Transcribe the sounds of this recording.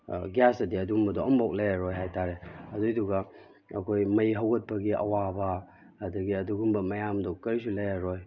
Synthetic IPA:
ɡjasɐdiɐdumbɐdɔɔmbɔwk̚lajaɾɔjɦajtʰaɾeɐdujduɡa | ɐ̰kʰojmɐjɦawɡɐt̚pɐɡiʔɐ̰wabɐ | ɐdɐɡiɐduɡumbɐmɐjamdɔkɐɾisulɐjaɾɔj

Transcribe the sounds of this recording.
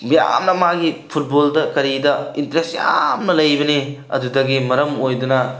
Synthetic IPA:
mja̰mnɐmaɡipʰut̚boldɐkɐɾidɐintɾesja̰mnɐlɐjbɐniɐ̰dudɐɡimɐɾɐmojdunɐ

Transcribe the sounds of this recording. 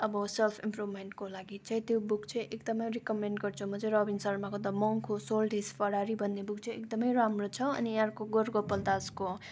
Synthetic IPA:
ʌbʌselpʰimprubmeɳʈkolaɡit͡sʰʌj̃t̪jobukt͡sʰʌʔekd̪ʌmʌjrikʌmeɳʈɡʌrt͡sʰumʌt͡sẽɾʌbinsʌɾmakod̪ʌmʌŋkʰosolʈispʰʌɽaɾibʱʌnːebuk̚t͡sʰʌekd̪ʌmʌjɾamrot͡sʰʌʌ̰niaɾkoɡorɡopːʌld̪asko

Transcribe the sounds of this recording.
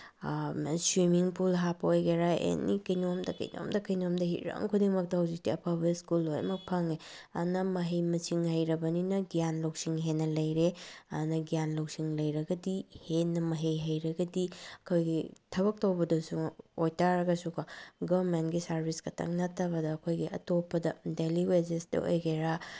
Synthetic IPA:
swimiŋpulɦapojɡeɾaʔḛnːḭkɐjnomdɐkɐ̰jno̰mdɐkɐjnomdɐɦḭɾɐ̰ŋkʰudiŋmɐk̚tɐhawzik̚tiɐpʰabɐiskulojɐ̰mɐk̚pʰɐŋe | ɐ̰nɐmɐɦejmɐsiŋhɐjɾɐbɐninɐɡijanlowksiŋɦenːɐlɐjɾeɐnɐɡijanlɐwsiŋlɐjɾɐɡɐdihenːɐmɐɦejɦɐjɾɐɡɐdiɐkʰojɡitʰɐβɐk̚tɐwbɐdɐsuojtaɾɐɡɐsukɐɡɐmentɡisɐɾbʱiskʰɐtʰɐ̰ŋnɐtʰːɐbɐdɐːkʰojɡiɐ̰topːɐdɐdeliwezesdɐ̰ʔo̰jɡeɾa

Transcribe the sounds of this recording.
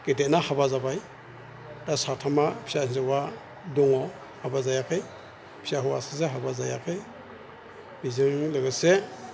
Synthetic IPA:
ɡ̥etenahaβazabaj | dasatʰamapʰi̥sanzɯwa | dɔŋɔ | habazajakʰɯj | pʰi̥saɦuwa̰sazeɦabazaja̰kʰɯj | b̥izɯŋlɯɡɯse

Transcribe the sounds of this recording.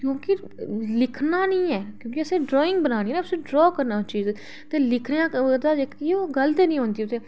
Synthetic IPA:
kjõːkɪ | lɪkʰnaːnĩːɛːkjõːkiəsẽːɖɾɔːɪ̃ŋɡbənaːñiːnãpʊsẽːɖɾɔːkəɾnaːt͡ʃiːz | t̪eːlɪkʰneãːd̪aːd͡ʒeːkːioːɡəlt̪eːnĩːɦõːnd̪iːʊt̪eː

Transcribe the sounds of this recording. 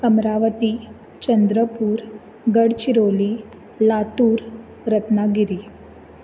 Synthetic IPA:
kɐmɾaʋət̪i | t͡ɕənd̪ɾəpuːɾ | ɡəɽt͡ɕiɾoli | lat̪uːɾ | ɾət̪naɡiɾi

